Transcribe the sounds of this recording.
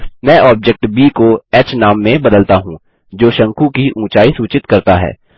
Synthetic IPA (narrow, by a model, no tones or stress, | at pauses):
mɛ̃ːʔɔːb̚d͡ʒɛk̚ʈbiːkoɛːt͡ʃnaːmːẽbɐd̪əlt̪aɦũ | d͡ʒoːʃɐ̃ŋkũkiʔũːt͡ʃaːisuːt͡ʃɪt̪kɐɾt̪aɦɛ̰ː